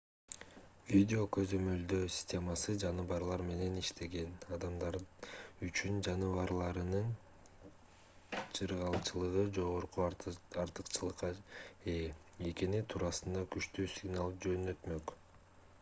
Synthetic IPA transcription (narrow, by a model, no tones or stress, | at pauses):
vʲidʲeo̞kø̞zø̞mø̞ld̪øsʲi̥sʲtʲe̞mɑsɯd͡ʒɑnɯβɑɾlˠɑɾme̞ne̞niʃt̪ʰe̞ɡe̞nɑd̪ɑmd̪ɑɾyt͡ʃynd͡ʒɑnɯβɑɾlˠɑɾɯnɯn | t͡ʃʰɯɾʁɑlˠt͡ʃɯlˠɯʁɯd͡ʒo̞ʁoɾquɑɾt̪ɯ̥qt͡ʃɯlˠɯqːɑe | ekenit̪ʰuɾɑsɯnd̪ɑkyʃt̪yːsʲiɡnalˠd͡ʒø̞nø̞t̪mø̞k